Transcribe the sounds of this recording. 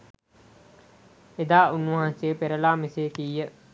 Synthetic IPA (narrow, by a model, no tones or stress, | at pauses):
ed̪aːʔunːʋɐɦãnseːpeɾəlaːmiseːkiːjə